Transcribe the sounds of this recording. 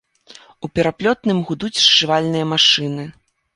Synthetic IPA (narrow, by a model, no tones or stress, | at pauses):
upʲɛɾaplʲɔt̪nɨmɣud̪ut͡sʲʂt͡ʂɨvalʲnɨjɐmaʂɨnɨ